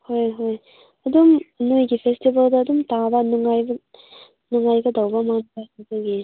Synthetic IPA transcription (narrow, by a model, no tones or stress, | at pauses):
hojɦoj | ɐd̪umɐnujɡipʰestibɐld̪aːd̪umt̪ad̪anuŋajb | nuŋɡajɡɐd̪ɐwbamanaizaɡi